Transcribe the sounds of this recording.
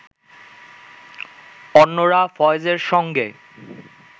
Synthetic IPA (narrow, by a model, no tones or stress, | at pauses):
ɔnːoɾafɔed͡ʑeɾʃɔŋɡḛ